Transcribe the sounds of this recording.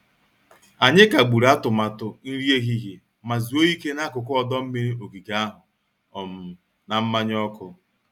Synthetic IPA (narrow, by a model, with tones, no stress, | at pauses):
a˨ɲɪ˦ka˨ɡ͡bu˨ɾa˦tʊ˨ma˨tʊ˨n̩˦ɾi˦e˦ɣi˦ɣi˨ | ma˨zi˨o˦i˦ke˦na˦kʊ˨kʊ˦ɔ˦dɔ˦m̩˦mi˦ɾi˦o˨ɡi˨ɡa˦a˦ɦʊ˨ | ɔ˨m̩˨ | na˨m̩˦ma˦ɲ˦ɔ˦kʊ˦